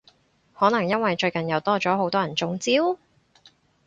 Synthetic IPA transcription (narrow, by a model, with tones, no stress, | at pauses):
hɔː˨˥nɐ˨˩ŋjɐ˥nwɐ˨jt͡ʃɵ˧ɥkɐ˨˩njɐ˨˧wt̪ɔː˥t͡ʃɔː˨˥ɦo˨˥wt̪ɔː˥jɐ˨˩nt͡sʊ˨˥ŋt͡siː˥w